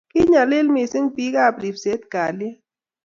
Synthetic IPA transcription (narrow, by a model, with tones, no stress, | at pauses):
ki˦ɲa˨le˦lmi˨si˦ŋpi˦ka˦˨pɾi˨fse˨˦t̪ka˨lja˦